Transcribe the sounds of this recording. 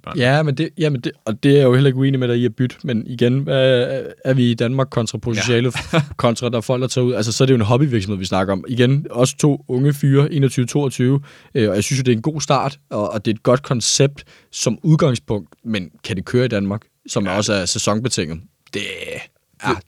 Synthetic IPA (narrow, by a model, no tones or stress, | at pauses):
jæmend̥e̝jæmend̥eɒ̽d̥e̝æɐjo̝helɐe̝ɡ̥ue̝̰ːnimeɾɑ̈iæb̥yd̥əmeniɡ̥enʋæːɐʋiːd̥ænmɑ̈ːɡ̥kʰɒ̽nt͡sʰʁɑ̈pʰo̝t͡sʰnɕɛ̰ːləkʰɒ̽nt͡sʰʁɑ̈d̥ɑfɒ̽l̰ɡ̥d̥ɐt͡sʰɑ̰ːuð̰ˠælsəsɒ̽æɐd̥ejo̝enɦɒ̽b̥iʋiɐɡ̥smhḛʋisnɑ̈ɡ̥ɐɒ̽miɡ̥enɒ̽sə̥t͡sʰo̝̰ːɔ̽ŋəfyːɐʔe̝̰ːnɐt͡sʰyːʊət͡sʰo̝̰ːɐt͡sʰyːʊ | ɒjaɪsynsjo̝d̥e̝ɐenɡ̥o̝̰ːsd̥ɑ̰̈ːd̥ɒ̽ːd̥e̝e̝d̥̚ɡ̥ɒ̽d̥̚kʰɒ̽nseb̥̚d̥ | sɒ̽muð̞ˠɡ̥ɑ̈ŋspʰɔ̽ŋ̰d̥menkʰæd̥e̝kʰøːɐid̥ænmɑ̈ːɡ̥ | sɒ̽mɒ̽səæɐsesɒ̽ŋb̥et͡sʰeŋ̰ð̩ˠ | d̥e̝